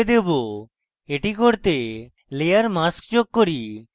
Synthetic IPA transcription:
ed̪ebo | eʈikoɾt̪e | lejaɾmaskt͡ɕoɡ̚koɾi

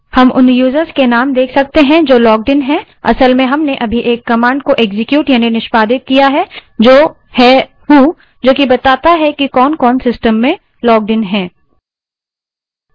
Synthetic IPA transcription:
hɐmʔʊnjuːzəɾskenaːmd̪eːkʰsɐk̚t̪eɦɛ̃d͡ʒoːlɔːɡ̚ɖɪnɦɛ̃ | ɐ̰səlmẽɦɐmneʔɐbʱiʔeːkːɐmãːɳɖkoʔeːɡzɪkjuːʈjaːninɪʃpaːd̪ɪt̪̚kijaɦɛd͡ʒoː | hɛ | ɦuː | d͡ʒoːkibɐt̪aːt̪aɦɛkikɔːnkɔːnsɪsʈəmːẽ | lɔːɡ̚ɖɪnɦɛ̃ː

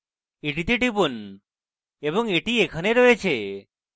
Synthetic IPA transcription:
eʈit̪ʰiʈipun | ebɔŋeʈiekʰəneɾoet͡ʃʰe

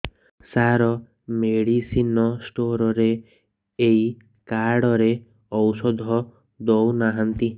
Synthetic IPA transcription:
saɾɔ | meɽisinɔsʈoɾɔɾeː | j | kaɾɽɔɾe | ɔwsɔd̪ʱɔ | d̪ɔwnaɦant̪i

